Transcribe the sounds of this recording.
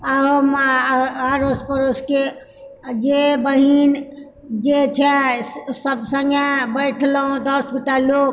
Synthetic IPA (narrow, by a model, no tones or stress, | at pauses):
am | aɾospəɾoske | d͡ʒebəɦin | d͡ʒet͡ʃʰɛsəbsə̃ŋɡebəjʈʰlɦũd̪əɾsɡut̪alok